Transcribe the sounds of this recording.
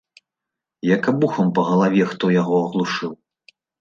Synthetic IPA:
jɐkabuxɐmpɐɣɐlˠavʲɛxt̪ɔjaɣɔɐɣlˠuʂɨw

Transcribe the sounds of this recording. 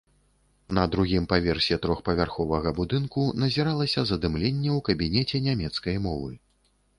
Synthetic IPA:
nɐd̪ɾuɣʲimpavʲɛrsʲɛt̪ɾɔxpɐvʲarxɔvɐɣɐbud̪ɨnkunɐzʲiɾalˠɐsʲɐzɐd̪ɨmlʲenʲːɛwkɐbʲinʲɛt͡sʲɛnʲamʲɛt̪skɐjmɔvɨ̰

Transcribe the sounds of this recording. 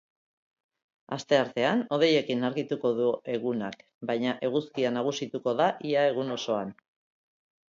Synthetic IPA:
ast̪e̞aɾt̪e̞ano̞ð̞e̞je̞kinaɾɣit̪uko̞ðue̞ɣunak | bajɲaʔe̞ɣ̞uskianaɣ̞usit̪uko̞ðaʔiae̞ɣuno̞so̞an

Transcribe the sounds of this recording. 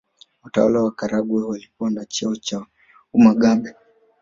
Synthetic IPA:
utawa̰lawakaɾaɡwɛwalikuanat͡ʃɛɔt͡ʃa | umaɡaɓɛ

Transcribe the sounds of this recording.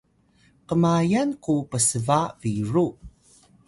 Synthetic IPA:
qəmajankupəsəvaviɹu

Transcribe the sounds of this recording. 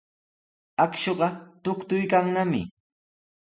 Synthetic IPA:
akʃoɢɑt̪ʊkt̪ʊjkaŋnamɪ̰

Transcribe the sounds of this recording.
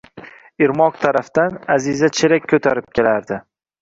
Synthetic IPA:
ɪɾmɒqt̪ʰaɾafd̪anazizat͡ʃʰeɾakʲʰːɵt̪ʰaɾɪp̚kʲʰe̞laɾd̪ɪ

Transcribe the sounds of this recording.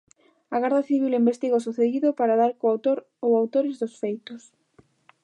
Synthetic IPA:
aɣaɾðaθiβ̞ilimbest̪iɣosuθeðiðʊpaɾaðaɾkoawt̪oɾ | owawt̪oɾɪzðʊsfejt̪ʊs

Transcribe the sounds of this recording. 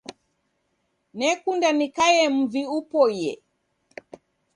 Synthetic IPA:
nɛkundanikajɛm̩viupɔjɛ

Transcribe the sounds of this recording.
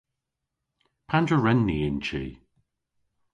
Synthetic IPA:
pʰandɹəɹɛnːiɪnt͡ʃḭː

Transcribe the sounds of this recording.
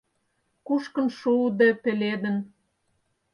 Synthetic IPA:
kuʃkə̆nʃud̪epeled̪ən

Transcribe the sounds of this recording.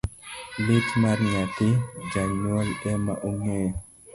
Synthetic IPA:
litmaɾɲat̪id͡ʒanalɛma̰ʔuŋɛ

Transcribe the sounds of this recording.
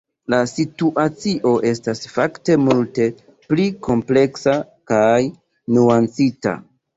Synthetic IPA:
lasituʔat͡siʔo̞ʔe̞stasfakte̞multe̞ | plikʰo̞mple̞ksa | kaj | nuant͡sita̰

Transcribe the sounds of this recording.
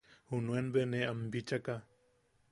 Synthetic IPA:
hunuenbeneambit͡ʃaka

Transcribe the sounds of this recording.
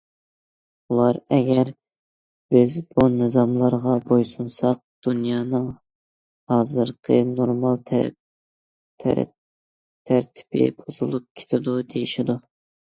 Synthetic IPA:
ulˠɑɾɛɡʲɛɾ | b̥ɪzbunɨzɑmlˠɑɾʁɑbojsunsɑq̚d̪̥unjɑːnɨŋ | hɑːzɨɾqʰənoɾmɑlˠt̪ʰ | t̪ʰɾ̰ | t̪ʰæɾt̪ʰɪ̥bʰɪ̰bozulˠup̚kʲʰe̥t̪ʰɪd̪ud̪ejiʃid̪u

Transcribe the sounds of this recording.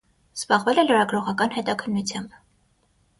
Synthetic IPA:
z̥bɑʁvɛlɛləɾɑɡɾɔʁɑkɑnhɛt̪ɑkʰənːut͡sʰjɑmb

